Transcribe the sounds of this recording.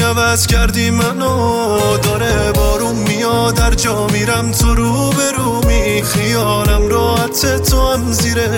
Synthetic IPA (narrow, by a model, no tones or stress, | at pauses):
ævæzcʰæɾd̪imæno | d̪ɒːɾebɒːɾumːijɒːd̪æɾd͡ʒɒːmiːɾæmt̪ʰoɾuː | beɾuːmi | xijɒːlæmɾɔːhæt̪ʰet̪ʰoæmziːɾe